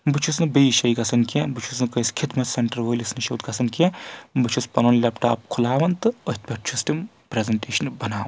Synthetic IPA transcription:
bɨt͡ʃʰusnɨbəjʃɐjkɐsɐnkʰʲẽbɨt͡ʃʰusnɨkəjsʲkʲʰit̪mɐt̪sɐɳʈɐɾʋoːlʲisnɨʃɐwt̪kɐsɐnkʲẽbɨt͡ʃʰuspɐnonlʲɐpʈaːp̚kʰulaːʋɐnt̪ɨɐɦt̪̚pʲɐʈ̚t͡ʃʰustim | pɾezɐɳʈeːʃɐnbɐnaːʋɐn

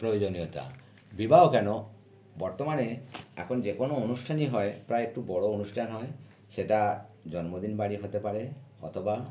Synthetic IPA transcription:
pɾojod͡ʒonijɔt̪a̰ | bibaɦokano | bɔɾt̪ɔmanea̰kʰond͡ʒekonoonusʈʰaniɦɔepɾaeek̚ʈubɔɽoonusʈʰanɦɔe | seʈad͡ʒɔnmod̪inbaɽiɦot̪epaɾeɔ̰t̪ʰɔba

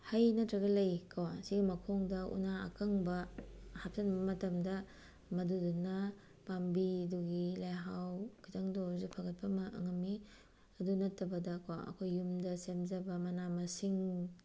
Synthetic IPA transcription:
hɐjnɐtɾɐɡɐlɐjkʰawsiɡimɐkʰoŋdɐṵna̰ːkʰɐŋbɐhap̚tɐnbɐmɐtɐmdɐ | mɐdudunɐ | pambiduɡilajɦawkʰitʰaŋdozupʰaɡɐt̚pɐmɐɐ̰ŋɐmːi | ɐdunɐtʰːɐbɐdɐkaɐ̰kʰojːumdɐsemzɐbɐmɐnamɐsiŋ

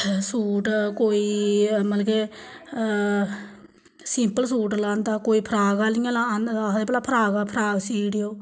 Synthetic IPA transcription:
suːʈkoːiːməlke | sɪmpəlsuːʈlãːnd̪aːkoːiːpʰəɾaːɡaːliːãːlãnd̪ad̪eːpɛlaːpʰəɾaːɡaːpʰɾaːɡsiːɽijoː

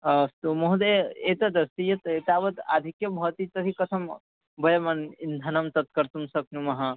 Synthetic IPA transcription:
ɐst̪umoɦud̪eet̪ɐd̪ɐst̪ijɐt̪et̪aːʋɐt̪a̰ːd̪ʱikjɐbʱɐʋt̪it̪ɐt̪ikɐsʰɐm | bʱɐjɐmɐnind̪ʱɐnɐmt̪ɐt̪̚kɐɾt̪umsɐkʰnumɐɦɐ

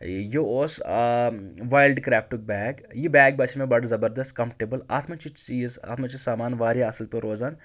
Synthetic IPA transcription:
jooːs | ʋaːjlɖkɾɛːfʈuk̚bɛːɡjibɛːɡ̚bɐʃʰmẽbɐɽzɐbəɾd̪ɐst̪̚kɐ̃mfʈeːbəla̰ːt̪ʰmɐt͡ʃit͡ʃiːza̰ːt̪ʰmɐt͡ʃisaːmaːnʋaːɾiɐsəlpeɾoːzaːn

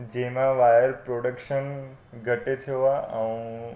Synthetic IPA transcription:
d͡ʒemãʋajəɾpɾoɽəkʃən | ɡʱəʈet̪ʰoʋaəʋũ

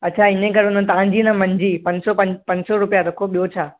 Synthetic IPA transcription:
ɐtːt͡ɕʰaɪnẽkɐɾonə̃t̪ɐʋ̤ãɲd͡ʑinɐmɐ̃ɲd͡ʑiːpɐ̃ɲsɔpɐpɐ̃ɲsɔɾʊpijaɾɐkʰoɓijot͡ɕʰaː

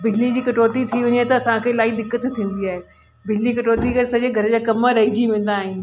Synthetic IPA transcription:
bɪd͡ʑlid͡ʑiːkɐʈoːt̪it̪ʰiɦʊɲet̪ɐɐsãkʰeːlaːid̪ɪkːət̪t̪ʰːĩːn̆d̪iaːɦeː | bɪd͡ʑlikɐʈoːt̪ikɐɾsɐd͡ʑeɡʱɐɾəd͡ʑaːkɐməɾɐɦid͡ʑiʋɪ̃ːn̆d̪aːɦɪnɪ̆

